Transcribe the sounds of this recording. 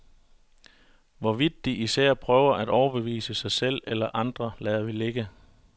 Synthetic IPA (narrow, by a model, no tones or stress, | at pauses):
ʋɒʋid̥ːiʔisæɐ̰pʰʁœːʊɐʔæd̥ɒʊɐb̥e̝ʋḭːsəsɑ̈ɪsel̰elɐʔɑ̈nd̥ʁɐlɛːðˠɐʋile̝ɡ̥ə